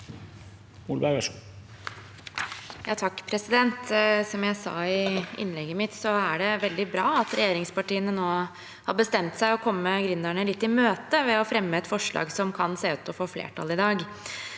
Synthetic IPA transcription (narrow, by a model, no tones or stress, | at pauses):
ulbæɡɛʂ | jɑːt̪ʰɑkːpʰɾɛsɪd̪ɛnt̪sɔmjæɪsɑ̰ːɪɪ̰nːlɛɡːəmɪt̪sɔæɖɛʋɛld̪ɪbɾɑːɑt̪ɾɛjeːɾɪŋspɑʈiːənənoː | hɑɾbəst̪ɛmt̪sæɪɔkʰɔmːəɡɾʏnːæɳəlɪt̪ːɪmøːt̪əʋɛɔfɾɛmːəɛt̪fɔʂɭɑ̰ːɡsɔmkʰɑnseːʉːt̪ɔfoːflḛːʈʰɑ̰lɪd̪ɑːɡ